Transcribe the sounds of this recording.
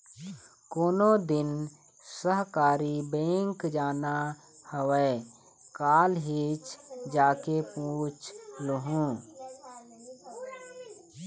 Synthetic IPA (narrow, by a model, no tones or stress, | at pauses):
koːnod̪ɪn | səɦkaːɾibẽːŋkd͡ʒaːna | həwɛː | kaːlɦit͡ʃd͡ʒaːkepũt͡ʃləɦũː